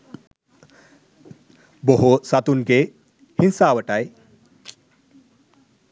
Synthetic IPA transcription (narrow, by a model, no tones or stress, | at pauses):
boɦosat̪unɡe | hinsawəʈaj